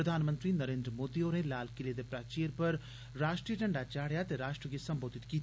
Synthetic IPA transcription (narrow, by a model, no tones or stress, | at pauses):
ɾəd̪ʱaːnmə̃nt̪ɾinɐɾeːnd̪ɾəmoːd̪ioːɾẽlaːlkɪled̪epɾaːt͡ʃiəɾpɐɾ | ɾaːʂʈɾijəʈəɳɖat͡ʃaːɽ̤jat̪eɾaːʂʈɾəɡesɐmboːd̪ʱit̪kit̪ʰ